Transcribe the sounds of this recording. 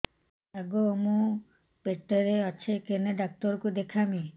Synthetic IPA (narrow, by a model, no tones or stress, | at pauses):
ɛɡoomo | peʈːeɾeat͡ɕʰekeneɖak̚t̪oɾkud̪ekʰami